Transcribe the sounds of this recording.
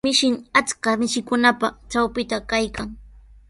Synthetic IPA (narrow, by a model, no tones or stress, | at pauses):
mɪʃɪŋat͡skamɪʃɪkʊnapat͡ʃawpɪt̪akajkaŋ